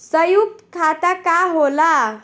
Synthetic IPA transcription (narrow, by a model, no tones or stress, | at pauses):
səjuk̚t̪kʰat̪akaɦola